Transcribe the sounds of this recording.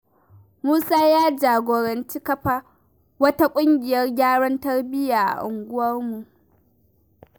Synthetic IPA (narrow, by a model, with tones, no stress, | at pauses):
muː˦saː˦jaː˦d͡ʒaː˨ɡʷoː˨ɾɐ˨nt͡ʃi˦kɐ˦ɸa˨ | wɐ˦ta˦kʷʼʊ˦ŋɡʲɪ˨jɐ˦rɡʲaː˦ɽɐ˦ntɐ˦rbɪ˦jaː˨ʔa̰˨ʔʊ˨ŋɡʷʊ˦wɐ˦rmu˨ʔ